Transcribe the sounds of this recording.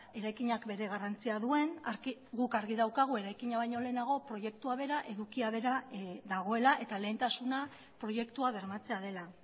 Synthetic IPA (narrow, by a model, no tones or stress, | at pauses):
e̞ɾajkiɲakbe̞ɾe̞ɣ̞arant͡siaðue̞naɾiɡukaɾɣ̞iðawkaɣ̞ue̞ɾajkiɲaβ̞ajɲo̞le̞ːnaɣ̞o̞pɾo̞je̞k̚t̪uaβ̞e̞ɾaʔe̞ðukiaβ̞e̞ɾaðaɣ̞o̞e̞laʔe̞t̪ale̞ːnt̪asuna | pɾo̞je̞kt̪uaβe̞ɾmat͡se̞að̞e̞la